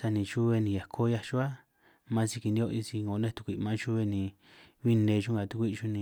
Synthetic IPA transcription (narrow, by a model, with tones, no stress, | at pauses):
sa˧nĩ˧t͡ʃu˦βe˧nĩ˧ja˨kʰo˦ja˧ʃu˦a˦ | mã˦si˧ki˧nd̪i˧˦o˦˧i˧si˧ŋɡo˨˦nẽ˦t̪u̥˧kʷi˧˨˧mã˦t͡ʃu˦βe˧nĩ˨˧ | βi˦nẽ˧ʃũ˦ŋɡa˨t̪u˧kʷi˦˧ʃu˦nĩ˧